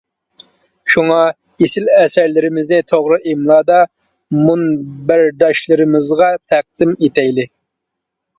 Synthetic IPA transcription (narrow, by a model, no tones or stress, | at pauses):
ʃuŋɑ | esɪlɛsæɾlɪɾɪmɪznɪt̪ʰoʁɾɨʔimlˠɑːd̪ɑ | munbæɾd̪ɑʃlˠɨɾɪmɪzʁɑt̪ʰæq̚d̪̥ɪmet̪ɛjlɪ